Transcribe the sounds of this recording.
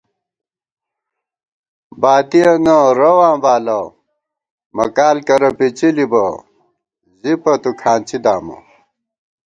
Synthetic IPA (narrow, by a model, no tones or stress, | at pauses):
baːt̪ijɐnɐɾɐwãːbaːlɐ | mɐkaːlkɐɾɐpit͡ɕilibɐ | zipɐt̪ukʰaːnt͡ɕid̪aːmɐ̰